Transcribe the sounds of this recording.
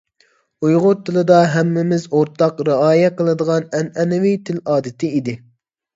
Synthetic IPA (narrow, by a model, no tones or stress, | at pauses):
ujʁʊt̪ʰːɨlˠɨd̪ɑɦɛmːɪmɪzoɾt̪ʰɑqɾəɑːjɛqəlˠɨd̪əʁɑnɛnɛnɪwit̪ʰɪlɑːd̪ɪt̪ʰɪid̪ɪ